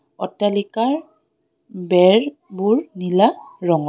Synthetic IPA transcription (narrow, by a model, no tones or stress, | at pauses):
ɔ̰tːalikaɹ | bɛɹ | buɹnilaɹɔŋɔ